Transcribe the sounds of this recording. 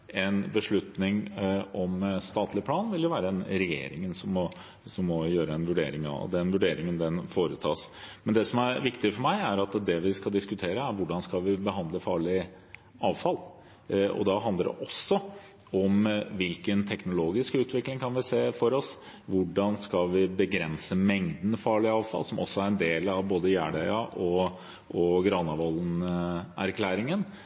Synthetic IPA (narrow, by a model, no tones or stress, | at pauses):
ɛnbəʂɭʉt̪nɪŋɔmst̪ɑːt̪ʰlɪpʰlɑːnʋɪljʊʋæːɾəɛnɾɛjḛːɾɪ̰ŋənsɔmːɔ | sɔmːɔjøːɾəɛnʋʉɖḛːɾɪŋɑ̰d̪ɛnʋʉɖeːɾɪŋənd̪ɛnfoːɾət̪ʰɑ̰ːsmɛnd̪ɛsɔmæɾʋɪkt̪ɪfɔɾmæɪæɾɑt̪d̪ɛʋɪskɑd̪ɪskʉt̪ʰeːɾəæɾʋʊɖɑnskɑʋɪbəɦɑnd̪ləfɑːɭɪ | ɑːʋfɑl | ɔ̰d̪ɑɦɑnd̪əɾɛ̰ʔɔsːɔ | ɔmʋɪlkənt̪ʰɛknʊloːɡɪskʉːt̪ʰʋɪklɪŋkʰɑnʋɪseːfɔɾɔs | ʋʊɖɑnskɑlʋɪbəɡɾɛnsəmɛŋd̪n̩fɑːɭɪɑːʋfɑ̰lsɔmɔ̰sːɔæɾɛnd̪eːlɑʋboːd̪əjæːɖæʏɑʔɔ | ʔɔɡɾɑːnɑʋɑlnæ̰ɾkʰlæːɾɪŋən